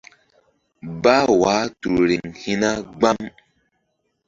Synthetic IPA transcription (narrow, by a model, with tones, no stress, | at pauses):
ba˦waː˨˦tu˨ɾɾi˨ŋhi˦na˦ɡ͡ba˦m